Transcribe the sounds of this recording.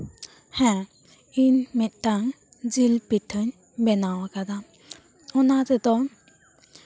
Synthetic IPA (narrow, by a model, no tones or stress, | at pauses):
hɛ̃ | inmit̪̚taŋ | d͡ʒilpitʰɯɲ | bɛnawakad̪a | ɔnat̪ɛt̪ɔŋ